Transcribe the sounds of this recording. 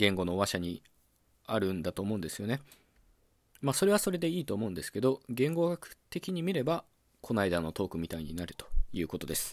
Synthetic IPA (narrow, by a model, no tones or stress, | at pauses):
ɡẽ̞ŋɡo̞no̞ːβaɕaɲ̟i | aɾɯ̟̃nd̪at̪o̞ːmo̞ɯ̟̃nd̪e̞sɨjo̞ne | maːso̞ɾe̞β̞aso̞ɾe̞d̪e̞iːt̪o̞ːmo̞ɯ̃nd̪e̞sɨ̥ke̞d̪o̞ɡẽ̞ŋɡo̞ɡakɯ̟̥t̪e̞kʲiɲ̟imʲiɾe̞ba | kʰo̞naid̪ano̞t̪o̞ːkɯ̟mʲit̪aiɲ̟inaɾɯ̟t̪o̞̥jɯ̟ːko̞t̪o̞d̪e̞sɨ̥